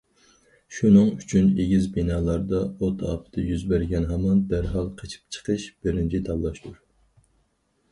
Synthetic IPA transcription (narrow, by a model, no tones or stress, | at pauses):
ʃunɨŋyt͡ʃʰyneɡʲizbinɑːlˠɑɾd̪ɑot̪ʰɑ̰ːpʰɨ̥d̪̥ɨjyzbæɾɡʲɛnɦɑmɑnd̪æɾɦɑlˠqʰet͡ʃʰi̥p̚t͡ʃʰə̥qʰəʃb̥ɪɾɪnt͡ʃʰit̪ʰɑblˠɑʃt̪ʰuɾ